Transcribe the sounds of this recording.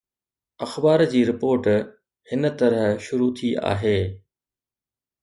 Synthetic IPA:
ɐxbaːɾd͡ʑiːɾɪpoːɾʈ | hɪnə̆t̪ɐɾəɦʃʊɾut̪ʰiʔa̰ːɦeː

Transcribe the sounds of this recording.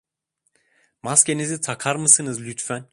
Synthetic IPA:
maskcʲe̞nizit̪ʰakʰaɾmɯsɯnɯzlʲyt̪fæn

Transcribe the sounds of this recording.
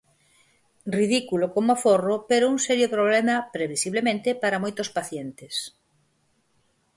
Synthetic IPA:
riðikulokomoaforopeɾouŋsɛɾjopɾoβlɛmɐpɾeβisiβlemẽnt̪ɪpaɾɐmojt̪ospaθjent̪ɪs

